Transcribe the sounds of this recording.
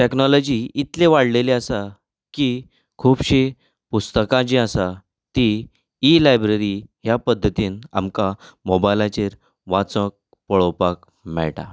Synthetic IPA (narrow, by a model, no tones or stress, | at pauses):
ʈeknɔlɔd͡ʑiit̪lẽʋaɽleleasa | ki | kʰuːbɕe | pust̪əkãd͡ʑĩasa | t̪iː | lajbɾeɾiɦjapəd̪ʱːət̪iːna̰mkamobajlat͡ɕeɾ | ʋat͡sə̃k̚ | pəɭɔpak | mɛ̰ɭʈa̰